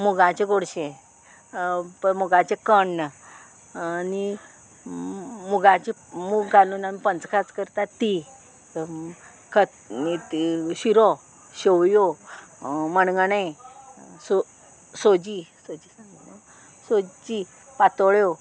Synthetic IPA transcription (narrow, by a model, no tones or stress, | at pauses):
muɡãt͡ɕeɡoɽɕe | pəmuɡat͡ɕekəɳ | ni | muɡãt͡ɕimuɡɡʱalunamipənt͡skʰat͡skəɾt̪at̪i | kʰət̪ | ɕiɾo | ɕewjo | məɳɡɳẽ | so | sod͡ʑisod͡ʑisaŋɡ | sod͡ʑi | pat̪ɭjo